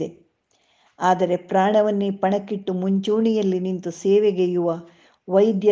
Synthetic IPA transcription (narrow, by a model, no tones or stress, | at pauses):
e | aːd̪ɐɾe̞pɾaːɳɐʋɐnːipɐɳɐkːiʈːumuɲt͡ʃuːɳijɐlːinint̪useːʋeɡejuʋɐ | ʋɐjd̪jɐ